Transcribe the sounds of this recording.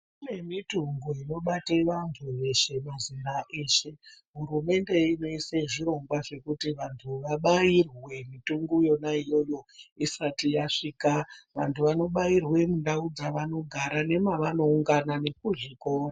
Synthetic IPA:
une̞mituŋɡuino̞ɓateʋantʰuʋe̞ʃe̞maziɾaʔe̞ːʃe̞ɦuɾume̞nde̞ino̞iseʐiɾo̞ŋɡwaʐe̞kutiʋantʰuʋaɓairwe̞mituŋɡujo̞naijo̞jo̞isatijaʂiːkaʋantʰuʋano̞ɓairwe̞mundaud͡zaʋano̞ɡʱaɾane̞maʋano̞uŋɡanane̞kuʐikoːra

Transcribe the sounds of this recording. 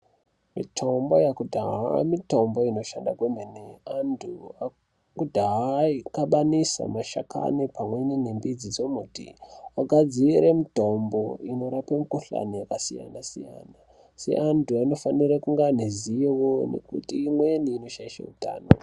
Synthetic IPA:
mḭtʰo̞mbo̞jakudʱaɦamito̞mbo̞ino̞ʃandakwemeneantʰua | kudʱaɦaikaɓanisa̰maʃaka̰nipamwenine̞mbid͡zid͡zomutḭwaɡʱad͡ziɾemito̞mbo̞ino̞ɾapemukoɬa̰nijakasija̰nasija̰na | se̞̰ʔantʰuaino̞faniɾakuŋɡaniziiwone̞̰kutiːmweniːno̞ʃaiʃa̰uta̰ːno̰

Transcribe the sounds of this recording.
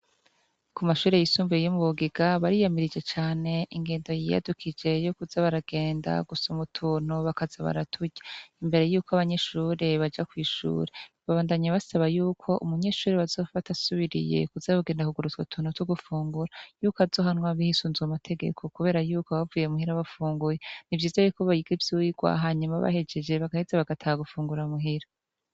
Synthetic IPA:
kumaʃuːɾe̞jisuːɱvujomuβuɡiɡaβaɾijamiɾid͡ʒe̞t͡ʃaːne̞ʔiŋɡe̞ːndo̞jija̰dukʰid͡ʒe̞jo̞kuzaβaɾaɡe̞ːnda̰ɡusumutʰuːn̥uβakazaβa̰ɾatʰuɟaimbe̞ɾe̞juːkoaβaɲe̞ʃuːɾe̞βad͡ʒakwiːʃṵːɾe̞βaβaːndaɲaβasaβajuːkʰo̞ʔṵmuɲe̞ʃuːɾeβazo̞ːfatasuβiɾḭje̞̰kuzaβoɡe̞ːndakuɡuɾut͡swatʰuːnotuɡufuːŋɡuɾajuːkazo̞ːɦanŋwaβihisuːnzamatʰe̞ɡe̞̰kʰo̞kuβe̞ːɾajuːkoβavuːjemuhiɾaβafuːŋɡuje̞nivjiːzajuːkoβajiɡivjuiɡwa̰ɦaːɲumaβa̰he̞d͡ʒe̞d͡ʒe̞βaɡahezeβaɡatʰahaɡufuːŋɡuɾamuɦiɾa

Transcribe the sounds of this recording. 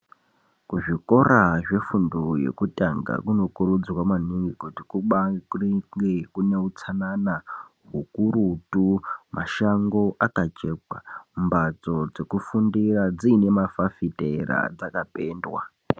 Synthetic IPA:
kuʐiko̞ɾaʐe̞funduje̞̰kutʼaŋɡa̰kuno̞kuɾud͡zwamaniŋɡikutikuɓariŋɡekune̞ut͡sʰanana | ɦukuɾutumʔaʃaŋɡo̞ʔakat͡ʃe̞ːkwambad͡zo̞d͡zekufundirad͡ziːne̞mafafitʼe̞ɾa̰d͡zakape̞ːndwa̰

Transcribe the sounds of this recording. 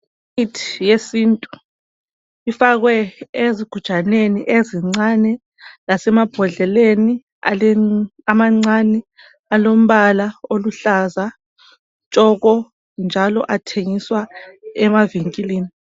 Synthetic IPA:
itʰi̥jesintʼu | ifaɣwɛeziɡ̥ʱud̥ʒ̥ʱaneniʔeziŋ͡ǀanɛ | lasɛmab̥ʱɔɮɛleni | a̰lɛamaŋ͡ǀanɛ | alom̩βalaoluɬaza | t͡ʃʼɔɣɔ | nd͡ʒʱalɔ̰ʔatʰeŋiswaɛmaviŋkʼiliːni

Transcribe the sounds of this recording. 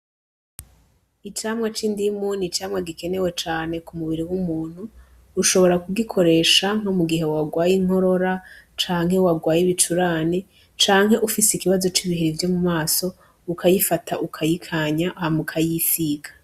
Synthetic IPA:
it͡ʃaːmŋat͡ʃiːndimuːnit͡ʃaːmŋaɡike̞ne̞we̞t͡ʃaːne̞kumuβiɾiwumuːn̥huː | ʃo̞βo̞ɾakuɡikʰo̞ɾe̞ːʃaŋ̥o̞muɡiɦe̞waɡwaːjiŋ̥ɦo̞ɾo̞ɾat͡ʃaːŋ̥ɦe̞waɡwaːjiβit͡ʃuɾaːni | t͡ʃaːŋɦhe̞ʔufiseikiβazo̞t͡ʃiβihiɾivjo̞mumaːso̞ | ukʰajifatʰaʔukʰajikʰaɲaʔhamukʰajifiːɡḁ

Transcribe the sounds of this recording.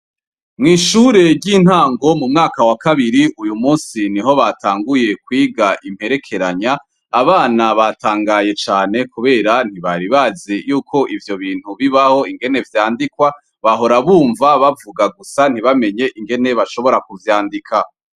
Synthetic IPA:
mŋiːʃuɾe̞ɾɟiːn̥haːŋɡo̞mumŋaːkawakaβiɾiʔujumuːnsiniɦo̞βataːŋɡuje̞kwiːɡaʔim̥he̞ɾe̞kʰe̞ɾaɲaː | βaːnaβataːŋɡaje̞t͡ʃaːne̞kuβe̞ːɾan̥hiβaɾiβazejuːkʰo̞ʔivjo̞βiːn̥uβiβaho̞iŋɡe̞ne̞vjaːndikwa | βaɦo̞ɾaβuːɱvaβavuɡaɡusan̥hiβame̞ɲe̞ʔiŋɡe̞ne̞βaʃo̞βo̞ɾakuvjaːndikʰa

